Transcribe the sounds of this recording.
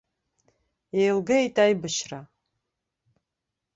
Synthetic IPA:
jejlɡɐitʼajbɨʃra

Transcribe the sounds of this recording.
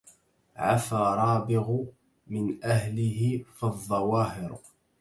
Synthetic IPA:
ʕa̰faɾˤɑːbɪɣ | mɪnʔaɦlɪɦɪfɪðˤːɑwɑːɦɪɾ

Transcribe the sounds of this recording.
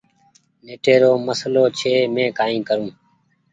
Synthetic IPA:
neːʈeːɾoːməsloːt͡ʃʰeːmẽːkaːĩːkəɾũː

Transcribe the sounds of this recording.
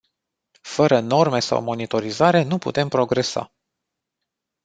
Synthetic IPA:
fəɾəno̞rme̞sa̰wmo̞nit̪o̞ɾizaɾe̞nupṵt̪e̞mpɾo̞ɡɾe̞sa̰

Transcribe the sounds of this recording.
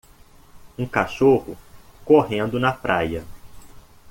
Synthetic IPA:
ũkaʃohʊkoɦẽnd̪ʊnɐpɾʔa̰jɐ

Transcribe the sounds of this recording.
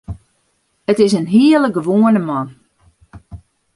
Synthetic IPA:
ətɪsənɦiələɡəʋoːənəmɔn

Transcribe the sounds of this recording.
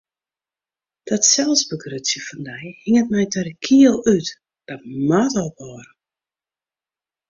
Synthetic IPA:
d̥ɔtsɛlˠsbəɡrøsjəfɔndɛjhɪŋət̚mɛjtʰɛrəkʰiəlˠyt | d̥ɔt̚matɔlˠbɔːɾə

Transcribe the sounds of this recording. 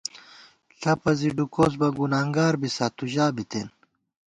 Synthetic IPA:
ɬʰɐpɐziɖukos̬bɐɡunaːŋɡaːɾbisaːt̪uʑaːbit̪en

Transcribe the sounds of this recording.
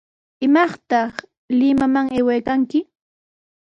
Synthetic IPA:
ɪmɑχt̪ɑχ | lɪmamaŋejwajkaŋkɪ

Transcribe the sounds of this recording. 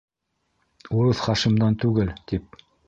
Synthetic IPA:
uɾɤθχɑʃɤ̆md̪ɑnt̪ʉɡɘlt̪ip̚

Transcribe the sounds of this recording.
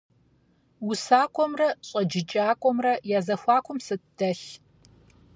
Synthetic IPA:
wʊsaːkʷʼɔmrɐɕʼɐd͡ʒɪt͡ʃʼaːkʷʼɔmrɐjaːzɐxʷɑːkʷʰʊmsɨtd̥ɐɬ

